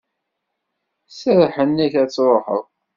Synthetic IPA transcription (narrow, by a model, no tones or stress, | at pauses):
səɾħənːiçæt͡sːɾˤoħə̰ðˤ